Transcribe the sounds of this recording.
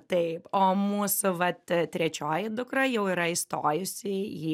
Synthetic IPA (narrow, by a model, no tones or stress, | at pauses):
t̪ɐɪpoːmuːsʊʋɐt̪tʲɾʲɛt͡ʃʲoːjɪd̪ʊkɾɐjɛʊiːɾɐɪst̪oːjʊsʲɪjiː